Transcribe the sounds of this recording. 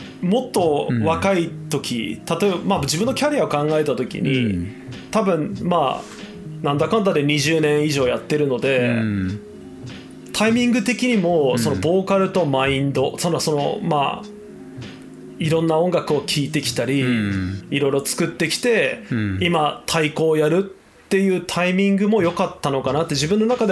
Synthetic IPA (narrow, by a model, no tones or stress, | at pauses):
mo̞t̪ːo̞βakait̪o̞kʲḭt̪at̪o̞ebamabɯd͡ʑibɯ̟nːo̞kʲaɾʲiao̞kãŋɡae̞t̪at̪o̞kʲḭɲ̟ʔḭ | t̪abɯ̟̃nma̰ː | nãnd̪akãnt̪aɾeɲ̟iʑɨːnẽ̞ɰ̃iʑo̞ːjat̪ːe̞ɾɯ̟no̞d̪e̞ | t̪ʰaimʲĩŋɡɯ̟t̪e̞kʲiɲ̟imo̞so̞no̞bo̞ːkaɾɯ̟t̪o̞maĩnd̪o̞sonso̞no̞̰ma̰ː | iɾõ̞nːaõ̞ŋɡakɯ̟o̞kʲʰiːt̪e̞kʲi̥t̪aɾʲi | iɾo̞iɾo̞t͡sɨ̥kɯ̟t̪ːe̞kʲi̥t̪e̞imat̪ʰaiko̞ːjaɾɯ̟tt̪ːe̞jɯ̟ːt̪ʰaimʲĩŋɡɯ̟mo̞jo̞kat̪ːano̞kanat̪ːe̞ʑibɯ̟nːo̞nakad̪e